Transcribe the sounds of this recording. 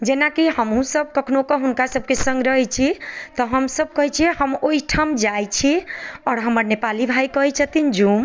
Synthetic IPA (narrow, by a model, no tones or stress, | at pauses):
d͡ʒenakihəmɦũsəb̚kəkʰnokɔɦunkasəb̚kesə̃ŋɡɾəɦɛt͡ʃʰit̪ɔɦəmsəb̚kəɦɛt͡ʃʰihəmoiʈʰamd͡ʒajt͡ʃʰiɔːɾɦəməɾnepalibʱajkəɦɛt͡ʃʰət̪ind͡ʒum